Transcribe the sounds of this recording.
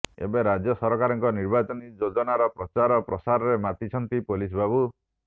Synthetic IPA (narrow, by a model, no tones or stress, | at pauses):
ḛbeɾad͡ʒjɔsɔɾɔkaɾɔŋkɔniɾbat͡ʃɔnid͡ʒod͡ʒɔnaɾɔpɾɔt͡ʃaɾɔpɾɔsaɾɔɾemat̪it͡ʃʰɔnt̪ipolis̬babu